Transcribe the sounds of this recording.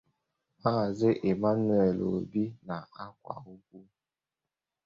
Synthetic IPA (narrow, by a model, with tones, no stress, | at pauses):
ha˦˨zɪ˦ʔe˨ma˦n˦e˨lo̰˨bi˦na˨a˦kʷwa̰˨u˦k̚ʷu˦